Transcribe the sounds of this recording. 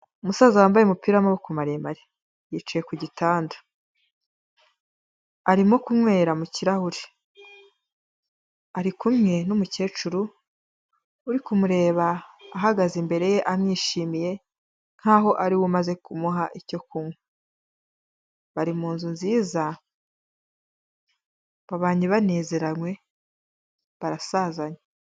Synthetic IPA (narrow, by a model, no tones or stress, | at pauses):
umusazawaːmbajemupiɾamawokumaɾeemaɾe | jit͡ʃije̞kuɟitaːndḁ | aɾimo̞kumŋwe̞ːɾamuciɾahuɾi | aɾikumɲe̞numuce̞ːt͡ʃuɾu | uɾikumuɾe̞ːβaːɦaɡazimbe̞ɾe̞je̞ʔamɲiːʃiːmije̞ | n̥haɦo̞ʔaɾiwumaze̞kumuɦaʔico̞kumwe | βaɾimuːnzunziːza | βaβaːɲiβane̞ːze̞ɾanwe̞ | βaɾasaːzaɲe